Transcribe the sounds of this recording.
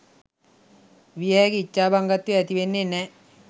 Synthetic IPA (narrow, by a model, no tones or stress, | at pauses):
ʋiɛkit͡ʃːabaŋɡat̪ːuɛt̪iʋenːenːɛ